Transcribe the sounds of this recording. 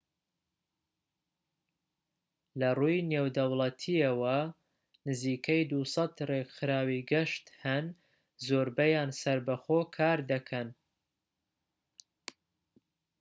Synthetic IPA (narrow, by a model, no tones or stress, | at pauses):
lɐrujneːwd̪ɐwlˠɐt̪ʰiɐwɐ | nɨziːkʰɐjd̪usɑt̪rekxɨɾaːwiɡɪʃt̪hɐn | zoːɾbɐjaːnsɐɾbɐxoːkʰaːɾd̪ɐkʰɐn